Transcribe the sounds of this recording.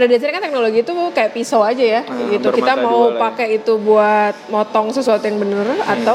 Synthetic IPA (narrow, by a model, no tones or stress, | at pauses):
adadiat͡ʃaɾrkant̪ɛk̚noloɡiːt̪ukajaʔpisoad͡ʒajaɡit̪ukiamaupakɛit̪ubuat̪̚mɔt̪ɔŋsəsuat̪ujaŋbənərat̪a